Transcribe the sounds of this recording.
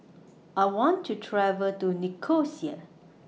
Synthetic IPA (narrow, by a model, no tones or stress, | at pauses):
ʔajwɔ̃ntʰːutʰɹɛvəltunikʰosia̰